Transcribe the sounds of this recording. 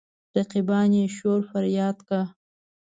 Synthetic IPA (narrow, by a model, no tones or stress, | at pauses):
ɾaqibɑnjeʃoɾfaɾjɑːd̪ka